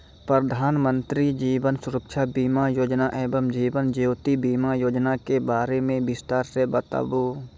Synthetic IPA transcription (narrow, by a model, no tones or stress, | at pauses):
pɾəd̪ʱaːnmə̃nt̪ɾid͡ʒiːbənsʊɾəkʃʰabiːmajoːd͡ʒnaʔɛːbəmd͡ʒiːbənd͡ʒeoːt̪ibiːmajoːd͡ʒnakebaːɾemẽbɪst̪aːɾsebət̪a̰ːboː